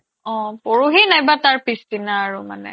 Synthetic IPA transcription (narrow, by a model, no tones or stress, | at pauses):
ɔ̃poɹuɦinajbataɹpistinaːɹuma̰nɛ̰